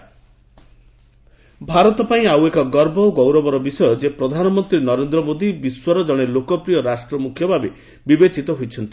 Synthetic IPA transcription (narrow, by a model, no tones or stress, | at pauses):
bʱaɾɔt̪ɔpaĩawekɔɡɔɾbɔɡɔwɾɔbɔɾɔbisɔjɔd͡ʒepɾɔd̪ʱanɔmɔnt̪ɾinɔɾend̪ɾɔmod̪ibiswɔɾɔd͡ʒɔɽ̃elokɔpɾijɔɾasʈɾɔmukʰjɔbʱabe | bibet͡ʃit̪ɔɦojt͡ʃʰɔnt̪i̥